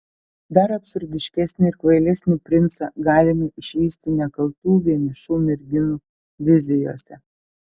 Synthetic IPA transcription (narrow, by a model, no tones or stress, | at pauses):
d̪ɐɾɐpʲsʊɾʲd̪ʲɪʃʲkʲɛsʲnʲɪɪɾkʋɐɪlʲɛsʲnʲuːpʲɾʲɪnt̪sɐɡɑːlʲɪmɪɪʃʲʋʲiːsʲt̪ʲɪnʲɛkɐlˠt̪uːʋʲiɛmʲɪʃuːmʲɪɾʲɡʲɪnuː | ʋʲɪzʲɪjo̰ːsʲɛ